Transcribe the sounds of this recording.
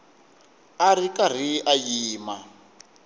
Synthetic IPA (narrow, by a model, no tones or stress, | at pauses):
arikar̤iʔajiːma